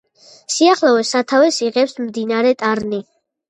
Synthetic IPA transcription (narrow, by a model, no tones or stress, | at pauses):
siaχlˠavɛsat̪ʰavɛsiʁɛpsmd̪inaɾɛt̪ʼaɾni